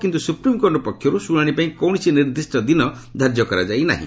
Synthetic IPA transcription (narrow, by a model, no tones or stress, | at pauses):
kint̪usupɾimkɔɾɖɔpɔkʰːjɔɾusuɽaɽ̃ipaĩkɔwɽ̃isiniɾd̪isʈɔd̪inɔ | d̪ʱaɾd͡ʒjɔkɔɾad͡ʒajna̰ɦḭ̃